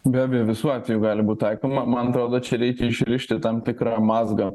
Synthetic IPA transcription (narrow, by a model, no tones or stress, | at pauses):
bʲæːbʲɛjɛʋʲɪsuːɑːt̪ʲʋʲɛjuːɡɑːlʲɪbuːt̪ʲt̪ɐɪkoːmɐmɐnɐt̪ɾoːd̪oːt͡ʃʲɛɾʲɛɪkʲɛɪʃʲɾʲɪʃʲt̪ʲɪt̪ɐmt̪ʲɪkɾɑːmɑːzɡɑ